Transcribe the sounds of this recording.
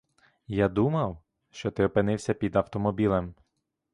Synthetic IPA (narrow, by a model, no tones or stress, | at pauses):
jad̪umɐw | ʃt͡ʃɔt̪ɪɔpɪnɪwsʲɐpʲid̪ɐwt̪ɔmɔbʲilˠɐm